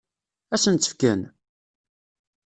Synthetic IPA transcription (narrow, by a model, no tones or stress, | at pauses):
æsənt̪ːə̥fkæn